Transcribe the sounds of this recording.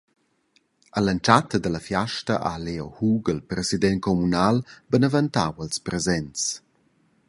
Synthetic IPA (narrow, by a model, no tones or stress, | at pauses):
ələnt͡ʃatəd̪ələfjaʃtəʔaleohuɡəlpɾɛzid̪ɛnkɔmunalbənəvənt̪awəlspɾɛzɛnt͡s